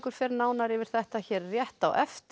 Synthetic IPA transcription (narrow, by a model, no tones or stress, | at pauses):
kʏɾ̥fɛɾnaːwnaɾɪvɪɾ̥θɛht̪açɛːɾːjɛht̪awʔɛft̪